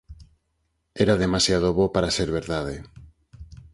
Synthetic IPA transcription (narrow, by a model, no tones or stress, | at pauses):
ɛɾaðemasjað̞oβopaɾaseɾβeɾðað̞e